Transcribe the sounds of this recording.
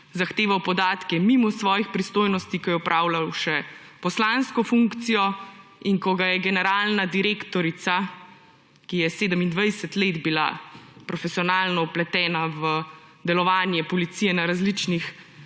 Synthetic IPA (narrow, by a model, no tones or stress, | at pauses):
zaxt̪eːʋawpɔd̪aːt̪kɛmimɔsʋɔːjixpɾist̪oːjnɔst̪ikɔjɛupɾʔaːwlawʃɛ | pɔslanskɔfuŋkt̪sijɔiŋkɔɡajɛɡɛnɛɾaːlnad̪iɾeːkt̪ɔɾit̪sa | kijɛseːd̪əmind̪ʋajsət̪leːd̪bila̰pɾɔfɛsijɔnaːlnɔuplɛt̪ɛːnaʋə | d̪ɛlɔʋaːnjɛpɔlit̪sijɛnaɾazlit͡ʃnix